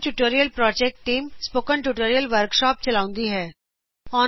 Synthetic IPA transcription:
ʈuʈoːɾijəlpɾɔːd͡ʒɛːk̚ʈːiːmspoːkə̃ɳʈuʈoːɾijəlʋəɾkʃɔːp̚t͡ʃɐlaːʊ̃nd̪iɦɛː | ɔː

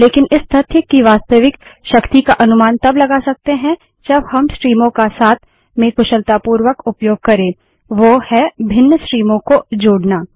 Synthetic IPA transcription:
leːkɪnɪst̪ʰɐt̪ʰjəkːiʋaːst̪əʋɪkʃɐkt̪ikaʔɐnʊmaːnt̪ɐblɐɡasɐk̚t̪eɦɛ̃ | d͡ʒɐbhɐmsʈɾiːmõkasaːt̪ʰ | mẽkʊʃəlt̪aːpuːɾwəkʊpjoːɡ̚kɐɾẽː | ʋohɛbʱɪnːəsʈɾiːmõkod͡ʒoːɽnaː

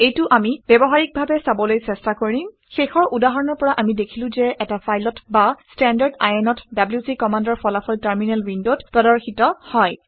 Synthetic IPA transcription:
ejtʊʔamib̥ɛbɔɦaɹik̚bʱabɛsabɔlojsɛstakoɹĩm | xexɔɹʔudaɦɔɹɔnɔɹpɔɹaʔamidekʰilʊ̃zɛʔɛtafʰajlɔtbastɛndaɹda̰jɛnɔtdabljusikɔmandɔɹpɔlafʰɔltaɹminalwindotpɹɔdɔɹxitɔhɔj

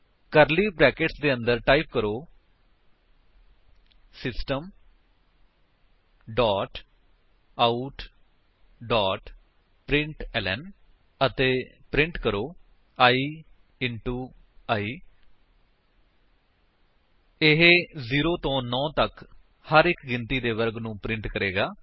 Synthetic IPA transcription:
kəɾliːbɾɛːkɪʈsd̪eːə̃nd̪əɾʈaːiːp̚kəɾoː | sɪsʈəm | ɖaːʈ | auʈ | ɖaːʈ | pɾɪ̃ɳʈɛːlɛ̰ːn | ət̪eːpɾɪ̃ɳʈkəɾoː | aːiː | ɪɳʈuː | aːiː | ɪɦeziːɾoːt̪õːnɔ̃ːt̪ək | həɾɪkɡɪnt̪iːd̪eːʋəɾɡnũːpɾɪ̃ɳʈkəɾeːɡaː

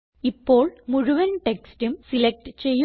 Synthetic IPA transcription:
ipːo̞ːɭmuɻuʋɐnʈekstumsilek̚ʈɨt͡ɕe̞jːu

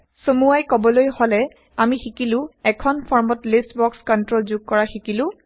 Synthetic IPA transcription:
somuajkɔbɔlojholɛ | amixikilʊ̃ɛkʰɔnpʰɔɹmɔtlistbɔkskɔntɹolzuɡ̚kɔɹaxikilʊ̃

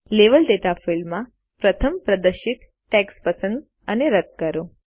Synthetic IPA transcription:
leʋəld̪et̪afɪlmːã | pɾət̪ʰəmpɾəd̪əɾʃit̪ | ʈːɛkspəsə̃nd̪ | əneɾət̪̚kəɾo

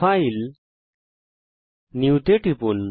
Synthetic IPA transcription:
ail | niwt̪eʈipun

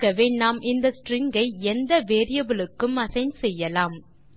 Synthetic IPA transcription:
kːɐʋeːɳnaːmɪnd̪ɐsʈɾɪŋɡɐɪɛnd̪ɐʋeːɾɪjɐbɪlɯkːɯmɐsɐɪnsɛjːɐlaːm

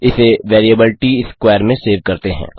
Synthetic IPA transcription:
ɪseʋeːɾijəbɪlʈiɪskʋaːəɾmẽseːʋkɐɾt̪eɦɛ̰̃ː

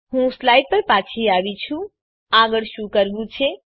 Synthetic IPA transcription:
hũslajɖ̚pəɾpat͡ʃʰiabit͡ʃʰu | aɡəɽʃukəɾbut͡ʃʰe

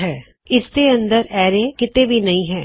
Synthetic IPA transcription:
ɦɛː | ɪst̪eə̃nd̪əɾɛːɾekɪt̪ebʱinɐɦĩɦɛ̃ː

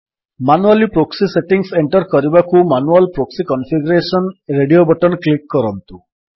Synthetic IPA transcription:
manualipɾoksiseʈiŋseɳʈɔɾkɔɾibakumanualpɾoksikɔnfʰiɡɔɾesɔnɾeɖiobɔʈɔnklikːɔɾɔnt̪u

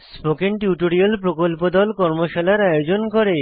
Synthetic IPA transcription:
spokenʈjuʈoɾialpɾokolpod̪ɔlkɔɾmoʃalaɾajod͡ʑonkoɾe

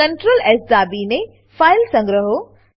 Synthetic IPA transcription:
ɐɳʈɾoːlɛsd̪aːbine | faːɪlsɐ̃ŋɡɾəɦo

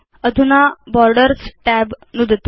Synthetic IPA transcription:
əd̪ʱunabɔɾɖəɾsʈæbnud̪ət̪

